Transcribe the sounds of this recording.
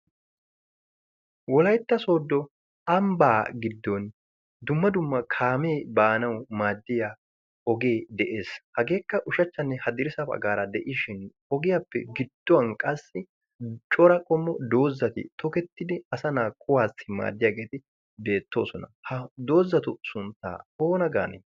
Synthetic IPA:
wɔlɐjt̪ːɐso̞ːd̪ːɔ | ɐmbaːɡɪd̪ːɔn | d̪ʊmːɐd̪ʊmːɐkʰaːmeːbaːnɐwmaːd̪ːɪja | ɔɡe̞ːd̪ɛʔe̞ːshɐɡe̞ːkːɐʔʊʃɐt͡ʃːɐnːɛhɐd̪ɪɾɪsɐpɐ̰ɡaːɾɐd̪ɛʔɪʃɪn | ɔɡɪjapːɛ̰ɡɪd̪̥ːɔwɐnkʼɐsːɪ | t͡ʃʼɔɾɐkʼɔmːɔd̪o̞ːzːɐt̪ɪ̰t̪ɔkɛt̪ːɪd̪ɪɐsɐnaːkʰʼʊwaːsɪma̰ːd̪ːɪjaːɡe̞ːt̪ɪ | be̞ːt̪ːo̞ːsɔnɐhɐd̪o̞ːzːɐt̪ʊsʊnt̪ːa̰ːoːnɐɡa̰ːnɛ̰

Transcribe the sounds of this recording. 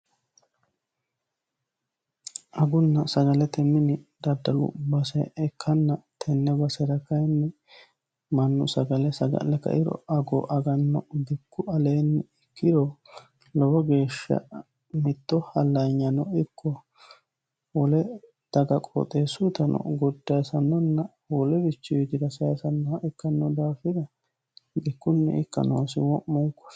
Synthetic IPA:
ʔɐɡʊnːɐsɐɡɐlɛt̪ɛmɪnɪd̪ɐd̪ːɐlʊ̰bɐsɛɛkʰːɐnːɐt̪ʰɛnːɛbɐsɛɾɐkɐjnːɛ | mɐnːʊsɐɡɐlɛsɐɡɐ̰lɛkɐ̰ʔɪɾɔ̰ɐɡɔʔɐɡɐnːɔb̪ɪkːʊɐleːnːɪkːɪd̪ɔ | lɔbɔɡe̞ːʃːɐ̰ | mɪt̪ːɔhɐlːɐɲːɐnɔɪkʰːɔ | wɔlɛ | d̪̥ɐɡɐkʼɔ̰t̪ʼeːsʊt̪ɐnɔ̰ɡɔd̪ːɐjsɐnːɔnːɐ | wɔlɛbɪt͡ʃːɪjɔd͡ʒ̪ɪdɐsɐjsɐnːɔɐʔɪkːɐnːɔd̪aːfɪd̪ɐ | bɪkːʊnːɛ̰ɪkːɐ̰no̰ːsɪwɔmːɔŋkːɔ̥

